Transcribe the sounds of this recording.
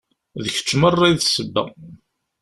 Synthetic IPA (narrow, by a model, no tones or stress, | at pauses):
ðəçə̥t͡sːmərˤːajðsəbːæ̰